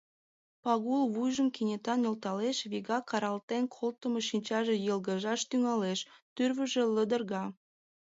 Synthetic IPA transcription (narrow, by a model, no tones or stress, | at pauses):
pɑɣulβujʒəmkinʲet̪ɑnjolt̪ɑleʃβiɣɑkɑɾɑlt̪enkʰolt̪əmoʃinʲt͡ɕɑʒejəlɣəʒɑʃt̪yŋɑleʃt̪yrβə̆ʒe̽ləd̪ə̆rɣɑ